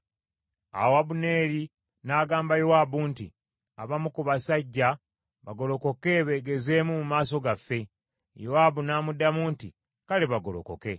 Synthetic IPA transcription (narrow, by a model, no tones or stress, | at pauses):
a̰wabune̞ːɾi | naːɡaːmbajowabuntḭ | aβamukuβasaɟːa | βaɡo̞lo̞ko̞ke̞βe̞ːɡe̞ze̞ːmumumaːso̞ɡafːe̞ | joaːbunaːmudamuːntḭ | kaleβaɡolo̞̰ko̞̰ke̞